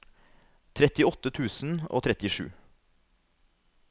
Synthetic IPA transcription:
t̪ʰɾɛt̪ɪɔt̪ət̪ʰʉːsn̩o̰ːt̪ʰɾɛt̪ɪʃʉ̰ː

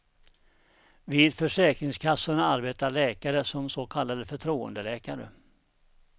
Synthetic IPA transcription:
viːd̪fœʂɛːkɾɪŋskʰasːʊɳaaɾbeːt̪aɭɛːkaɾəsɔmsokʰalːad̪əfœʈʰɾuːə̰nd̪əlɛːkaɾə̰

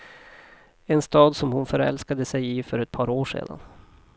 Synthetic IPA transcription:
ɛnst̪ɑːd̪sɔmhʊnfœɾɛ̰lskad̪əsɛjifœɾɛt̪̚pʰɑːɾoːʂḛːd̪a̰n

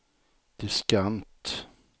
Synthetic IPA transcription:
d̪̥ɪskant̪

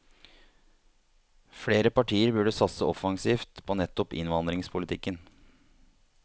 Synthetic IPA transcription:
fɽeːɾəpɑʈʰiːəɾbʉɖəsɑt̪səʔɔfɑŋsiːft̪pʰoːnɛt̪ːɔpɪ̰nʋɑnd̪ɾɪŋspʰʊlɪt̪ʰɪkːən

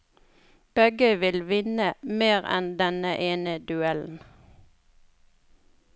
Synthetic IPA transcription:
b̥ɛɡəʋɪlʋɪnəmeːʁɛ̰nd̪ɛnəʔeːnəd̪ʉɛln̩

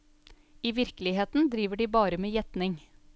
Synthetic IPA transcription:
iːʋɪɾklɪheːt̪n̩d̪ɾiːʋəɖiːbɑːɾəmeːjɛt̪nɪŋ

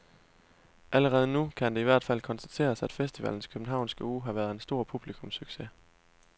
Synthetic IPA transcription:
ʔæləʁɛːð̞ˠənukʰænd̥e̝iʋæɐ̰d̥fæl̰kʰɒ̽nsd̥æt͡sʰe̝̰ːɐsæd̥fesd̥iʋæ̰ln̩skʰøb̥n̩ɦɑ̈ʊ̰nsɡ̥əuːɦɑ̈ʋæɐð̞̩ˠe̝nsd̥o̝ɐ̰pʰub̥likʰɔ̽msyɡ̥se

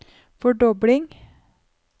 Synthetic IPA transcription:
fɔɖɔblɪŋ

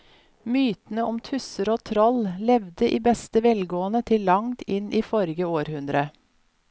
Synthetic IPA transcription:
myːt̪n̩əɔmt̪ʰʉsəɾoːt̪ʰɾɔllɛʋd̪əʔiːbɛst̪əʋɛlɡoːənət̪ʰɪllɑŋt̪ʰɪnʔiːfɔɾɪɡəoːɾhʉnd̪ɾə

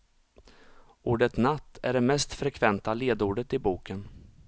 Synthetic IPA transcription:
uːɖət̪nat̪ʰːæɖɛmɛst̪fɾɛkʰvɛnt̪aleːd̪uːɖət̪ɪbuːkʰən

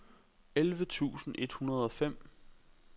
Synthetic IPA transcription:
elʋət͡sʰṵːsn̩ʔe̝d̥hunɐð̞̩ˠɒ̽fem̰

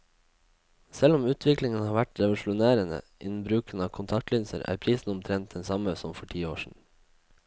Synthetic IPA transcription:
sɛlɔmʉːt̪ʰʋɪklɪŋənhɑːʋæʈɾɛʋʊlʃʊneːɾənə̰ | ʔɪn̩bɾʉːkənɑːkʰʊnt̪ʰɑkt̪lynsə̰ɾæ̰ːɾpʰɾiːsn̩ʊmt̪ʰɾɛnt̪̚d̪ɛnsɑməsɔmfɔʈʰiːoːʃɳ̩

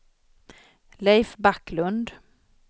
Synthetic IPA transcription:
lɛjfbakːlɵnd̪

